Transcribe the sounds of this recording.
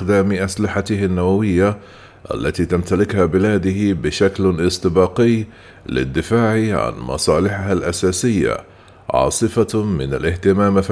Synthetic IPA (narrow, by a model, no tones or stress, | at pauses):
xd̪aːmʔaslɪħat̪ɪhanːawawɪjːa | ʔa̰lːat̪iːt̪amt̪alɪkhabɪlaːd̪ɪhbɪʃaklʔɪst̪ɪbɑːqɪjː | lɪ̰d̪ːɪfaːʕiʕa̰nmɑ̰sˤɑːlɪħɪɦalʔasaːsɪjːa̰ | ʕɑ̰ːsˤɨfamɪ̰na̰lʔɪht̪ɪmaːmf